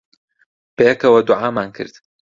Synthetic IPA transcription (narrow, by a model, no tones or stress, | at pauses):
b̥ejɛkɐwɐd̪ʊʕaːmaːnkʰɨ̰ɾd̪̥